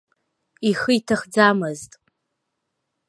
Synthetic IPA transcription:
iχɨitʰaχd͡zamɨztʼ

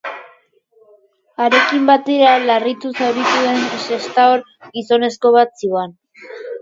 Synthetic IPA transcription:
aɾe̞kimbat̪e̞ɾalarit̪usaɾβit̪uðe̞nse̞st̪aoɾ | ɡiso̞ne̞sko̞βat̪sian

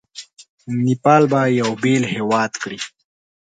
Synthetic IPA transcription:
nipɑːlbajawbelhewɑːd̪kɽi

